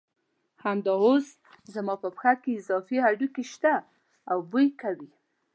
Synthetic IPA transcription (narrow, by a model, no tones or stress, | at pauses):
hamd̪ɑoz | zamɑpəpxakeɪzɑfiaɖukeʃt̪aː | wbujkawi